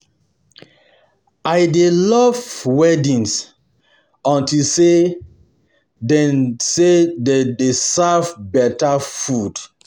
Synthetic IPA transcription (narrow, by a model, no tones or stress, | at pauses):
ajdelɔvwɛdĩns | ɔ̃ntilse | dɛnsededesavbɛtafud̥